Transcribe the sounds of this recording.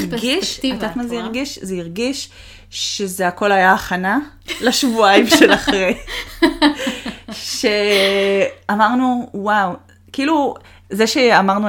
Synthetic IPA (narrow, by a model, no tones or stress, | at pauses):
ʁɡiʃtat̪mazeiʁɡiʃzeiʁɡiʃ | ʃezeako̞lajaːχana | laʃvuajimʃelaχʁej | ʃe | amaʁnuwaw | kiilu | zeʃeamaʁnu